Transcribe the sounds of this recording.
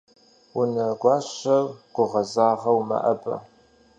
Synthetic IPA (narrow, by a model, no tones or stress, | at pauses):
wʊnɐɡʷɑːɕɐrɡ̥ʷʊʁɐzaːʁɐwmɐ̰ʔɐbɐ̰